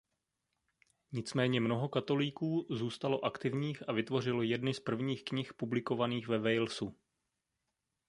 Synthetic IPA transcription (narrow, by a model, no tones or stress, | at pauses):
ɲɪt͡smɛːɲɛmno̞ɦo̞kat̪o̞liːkuːzuːst̪alo̞ʔakt̪ɪvɲiːxavɪt̪vo̞r̝ɪlojɛdnɪspr̩vɲiːxkɲɪxpublɪko̞vaniːxvɛvɛjlsu